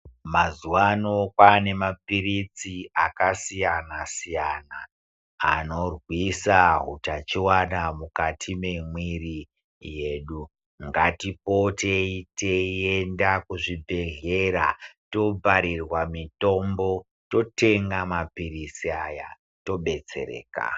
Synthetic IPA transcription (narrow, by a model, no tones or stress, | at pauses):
mazuwanokwane̞mapiɾit͡siakasijanasijana | a̰no̞rwisaɦutat͡ʃiwanamukatʰimemwiri | jeːɗu | ŋɡatipo̞teiteendakuʐibʱe̞ɮe̞ɾato̞b͡vʱaɾirwamito̞mbo̞ | to̞te̞ŋɡamapirit͡siaja̰ | to̞ɓe̞t͡se̞̰ɾḛːka̰